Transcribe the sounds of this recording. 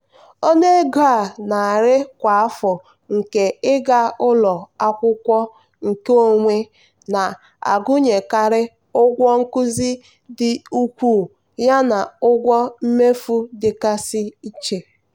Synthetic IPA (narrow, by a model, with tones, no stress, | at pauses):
o˦ne˦ɡa˦˨na˨ɾɪ˦kʷa˨a˦fɔ˨ | ŋ̩˨ke˨ɪ˦ɡa˦ʊ˦lɔ˨a˦kʷʊ˦kʷɔ˦ | ŋ̩˨ke˦o˨ŋʷe˦ | na˨ | a̰˨ɡʊ˦ɲe˨ka˨ɾɪ˦ | ʊ˦ɡʷɔ˦ŋ̩˦kʊ˦zi˦ | dɪ˨u˦kʷuː˦˨ | ja˦na˨ʊ˦ɡʷɔ˦m̩˦me˦fu˦dɪ˨ka˦sɪ˦i˦t͡ʃe˨